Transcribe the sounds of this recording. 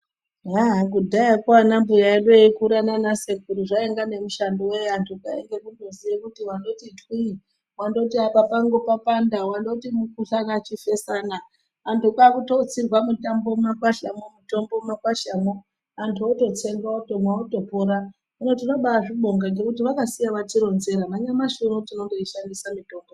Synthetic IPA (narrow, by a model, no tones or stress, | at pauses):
ɦaɦakudʱaakwanambujaiɗoikuɾananasekuɾuʐaeŋɡane̞muʃandowejantʰuɡaeŋɡe̞kundoziekutiwando̞titwi | wando̞tiapapaŋɡopapandawando̞timukuɬakat͡ʃife̞sanaː | ntukakuto̞ut͡sirwamutambo̞makwaʃamomuto̞mbo̞makwaʃamo | antʰuoto̞t͡se̞ŋɡaotomwaoto̞poɾa | unot̬ino̞ɓaaʐiɓo̞ŋɡaŋɡe̞kutiʋakasijaʋatiɾo̞nze̞ɾamaɲamaʃunutinoŋdoiʃandisamito̞mbo